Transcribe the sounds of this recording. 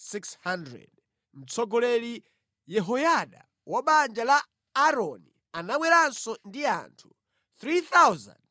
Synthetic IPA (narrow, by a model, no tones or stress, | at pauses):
sikshandɾɛ̰d | m̩t͡sʰɔɡɔlɛli | jɛɦɔjaɗa̰ | waɓand͡ʒalaː | ɾɔni | anaɓwɛɾansɔndia̰ntʰu | θɾiθawza̰nd